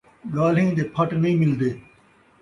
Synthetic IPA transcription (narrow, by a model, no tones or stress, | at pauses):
ɡaːlĩːd̪eːpʰɐʈnɐĩːmɪld̪eː